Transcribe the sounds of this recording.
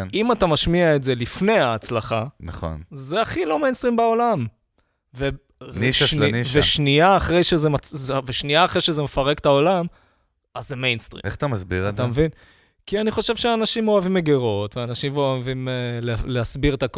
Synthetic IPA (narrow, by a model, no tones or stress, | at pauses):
nimatamaʃmiaetze̞lifne̞jaːt͡slaχanaχo̰nzeaχilo̞me̞jnst̪ʁimbao̞lam | ve | nʃveʃniaːχʁe̞jʃezemaveʃniaːχʁejʃezemefaʁe̞kt̪ao̞lam | azːemejnstʁḭmeat̪amasbiʁat̪amevin | kianiχo̞ʃe̞vʃeaːnaʃimo̞avimeɡeʁo̞tveanaʃimoavimeleleasbiʁet̪ak